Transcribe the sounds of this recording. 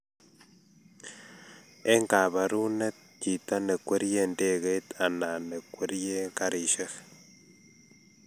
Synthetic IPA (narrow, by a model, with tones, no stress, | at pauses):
e˦ŋka˨βa˨ɾu˦ne˦t̪̚ki˨t̪a˦ne˨kwe˦ɾje˦nde˦ɣe˦t̪a˨na˨ne˨kʷwe˦ɾje˦ŋka˦ɾi˨ʃe˦x